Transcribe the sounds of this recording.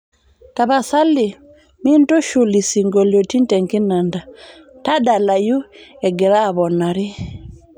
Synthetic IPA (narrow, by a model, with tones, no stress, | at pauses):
ta˨βa˨sa˦li˨ | mi˦nto˦ʃu˨li˨si˨ŋɡɔ˨ljɔ˨ti˦ntɛ˨ŋki˦na˨nda˨ | ta˦da˨la˨ju˦ɛ˨ɡɛ˨ɾaː˦˨βɔ˨na˨ɾi˦